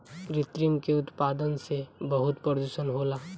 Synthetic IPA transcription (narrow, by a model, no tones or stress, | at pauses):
ɾɪt̪ɾimkeʊt̪paːd̪ənsebəɦʊt̪pɾɾəd̪usənɦoːlaː